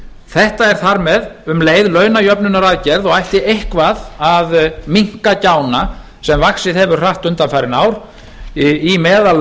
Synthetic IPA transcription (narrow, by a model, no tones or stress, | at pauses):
θɛht̪aɛɾ̥θaɾmɛðʏmleːjðlœːɥnajœpnʏnaɾaðcɛɾðɔɣajht̪ɪehkvaðaðmiŋ̥kacaːwna | sɛmvaksɪðhɛvʏɾ̥r̥aht̪ʏnt̪amfajɾɪnaːwɾ̥ | imɛːðal